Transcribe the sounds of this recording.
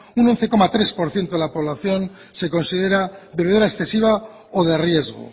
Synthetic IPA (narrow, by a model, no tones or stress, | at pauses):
uno̞n̟θe̞ko̞mat̪ɾe̞spo̞ɾθje̞nt̪oðelapo̞β̞laθjo̞n | se̞ko̞nsið̞e̞ɾabeβuɾaeksθe̞siβ̞a | oðe̞rje̞zɣo̰